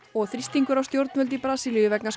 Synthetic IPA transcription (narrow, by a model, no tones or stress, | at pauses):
ɔɣθɾist̪iŋkʏɾawst̪jowɾt̪nvœlt̪̬ipɾaːsilijʏvɛknas